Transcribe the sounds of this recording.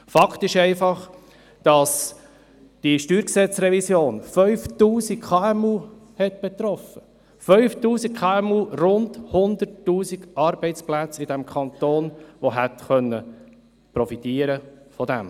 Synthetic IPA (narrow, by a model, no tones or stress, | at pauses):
fɑkχtɪʃɛɪfɑχ | d̥ɑs | d̥iʃtyːɾksɛt͡sɾɛvisjoːnfœʏftuːsikkʰɑːɛmuːhɛt̚b̥ɛt̪ɾɔfə | fœʏftuːsikkʰɑːɛmuːrʊndhʊnd̪əɾtːuːsikɑɾbɛɪt͡splæt͡sɪd̥æmkʰɑnt̪oːnʋoɦætχœnːə | pɾɔfit̪iːəɾəfɔd̪ɛ̰m